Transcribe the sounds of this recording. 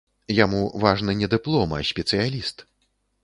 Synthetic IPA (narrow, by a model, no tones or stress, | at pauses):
jamuvaʐnɨnʲɛd̪ɨplˠɔmɐ̰sʲpʲɛt̪sɨjalʲist̪